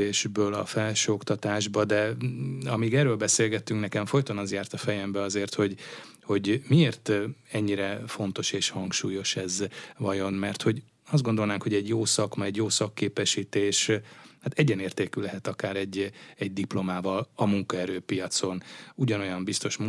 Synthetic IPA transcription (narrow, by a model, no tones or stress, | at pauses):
eːʒbøːlɒ̰fɛlʃøːokt̪ɒt̪aːʒbɒd̪ɛɒmiːɡɛrːøːlbɛseːlɡɛt̪ːyŋknɛkɛɱfo̞jt̪onɒzjaːrt̪ɒfɛjɛmbɛɒzeːrt̪ho̞ɟ | ho̞ɟmieːrt̪ɛɲːiɾɛfo̞nt̪o̞ʃeːʃhɒŋkʃuːjo̞ʃɛzvɒjo̞nmɛrt̪ho̞ɟ | ɒzd̪ɡo̞nd̪o̞lnaːŋkho̞ɟɛɟjoːsɒkmɒɛɟjoːsɒkːeːpɛʃiːt̪eːʃhat̪ɛɟɛneːrt̪eːkylɛɦɛt̪ɒkaːɾɛɟːɛɟ̚d̪iplo̞maːvɒlɒmuŋkɒɛɾøːpijɒt̪so̞nuɟɒno̞jɒmbist̪o̞ʃmu